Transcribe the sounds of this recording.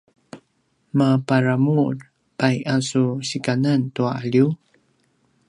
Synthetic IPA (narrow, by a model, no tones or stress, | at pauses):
mapaɾamur | pajʔasuɕikanantuaaʎju